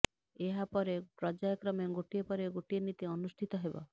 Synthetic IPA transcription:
eɦapɔɾepɾɔd͡ʒajɔkɾɔmeɡoʈiepɔɾeɡoʈienit̪iɔnusʈʰit̪ɔɦebɔ̰

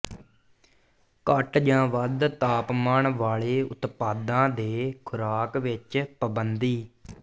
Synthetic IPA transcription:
kəʈd͡ʒãːʋəd̪t̪aːpmaːɳʋaːɭeːʊ̰t̪paːd̪ãːd̪eːkʰʊɾaːkʋɪt͡ʃpəbənd̪iː

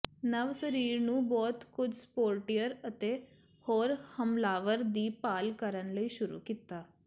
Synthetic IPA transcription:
nəʋsəɾiːɾnũːbɔːt̪kʊd͡ʒspoːɾʈijəɾət̪eː | hoːɾhəmlaːʋəɾd̪iːpaːlkəɾənləiːʃʊɾṵːkiːt̪aː

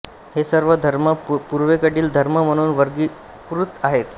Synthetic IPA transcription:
hesəɾʋəd̪ʱəɾməpuɾʋekəɽiːld̪ʱəɾməməɽ̃uːnʋəɾɡiː | pɾut̪ːaɦet̪

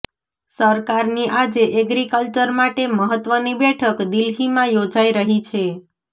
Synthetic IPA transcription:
səɾkaɾniʔad͡ʒeʔəɡɾikəlt͡ʃəɾmaʈeməɦət̪ʋənibɛʈʰəkd̪ilɦimãjod͡ʒaiɾəɦit͡ʃʰe

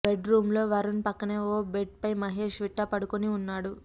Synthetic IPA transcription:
beɖɾuːmlo̞ːʋɐɾunpɐkːɐneːoːbeʈ̚pɐjmɐɦe̞ːʂʋiʈːaːpɐɽukoniunːaːɽu

